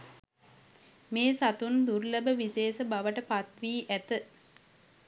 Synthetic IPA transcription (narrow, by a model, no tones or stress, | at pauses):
meːsat̪und̪uɾləbəʋiseːsəbaʋəʈəpat̪ʋiːʔæt̪ə